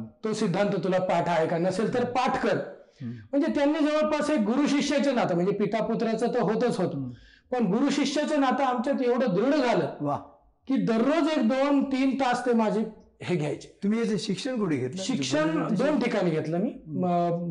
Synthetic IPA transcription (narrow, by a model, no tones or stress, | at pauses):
t̪osid̪ʱːant̪ət̪ulapaʈʰaekanəselt̪əɾpaʈʰkəɾm̤əɳd͡zet̪janːiːd͡zəʋəb̚pasek̚ɡuɾuːɕikʂat͡ɕenat̪am̤əɳd͡zepit̪aput̪ɾat͡sət̪oɦot̪ət͡sɦot̪ | pəɳɡuɾuːɕikʂat͡ɕenat̪aamt͡ɕjat̪eʋɽ̤əd̪ɾiɽ̤əd͡zʱaləːʋa | kiːd̪əɾːod͡zekd̪ont̪iːnt̪ast̪emad͡ʑʱiheɡʱjajt͡ɕe̥t̪um̤iːeteɕikʂəɳkuʈiɡʱet̪ɕikʂəɳd̪onʈikañiːɡʱet̪ləmiː